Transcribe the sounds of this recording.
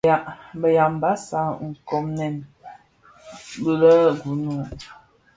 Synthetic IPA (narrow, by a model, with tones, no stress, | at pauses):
a˨bə˨ja˨mba˦sa˦ŋ̩˨kɔ˨mnɛ˨n | bə˨lə˦ɡu˨˦nu˨